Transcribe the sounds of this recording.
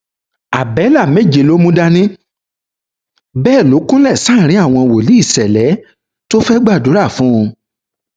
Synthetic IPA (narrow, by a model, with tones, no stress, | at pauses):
a˨bɛ˨˦la˦˨mẽ˦˨d͡ʒe˨lo˦mũ˦da˦nĩ˦ | bɛː˦˨lo˨˦kũ˦lɛ˦˨sãː˦˨ɾ̃ĩ˨˦a˦˨w̃ɔ̃˧wo˨li˨˦i˦˨sɛ˨lɛ˨˦ | to˦fɛ˦ɡ͡ba˦˨du˨˦ɾa˦˨fũ˨˦˧